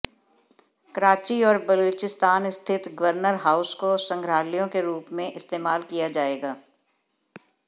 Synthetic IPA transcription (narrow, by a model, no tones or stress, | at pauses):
kəɾaːt͡ʃiɔːɾbɐloːt͡ʃɪst̪aːnɪst̪ʰɪt̪ɡəʋəɾnəɾɦaːʊskosɐ̃ŋɡɾaːlijõkeɾuːpmẽʔɪst̪eːmaːlkijad͡ʒaːeːɡaː